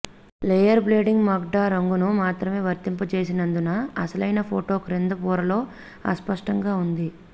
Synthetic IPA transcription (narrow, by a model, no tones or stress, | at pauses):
lejɐɾbleːɖiŋɡmɐɡ̚ɖaːɾɐŋɡunumaːt̪ɾɐme̞ːʋɐɾt̪impɐt͡ʃeːsinɐnd̪unɐɐsɐlɐjnɐpʰoːʈo̞ːkɾend̪ɐpuːɾɐlo̞ː | ɐ̰spɐʂʈɐŋɡaːund̪i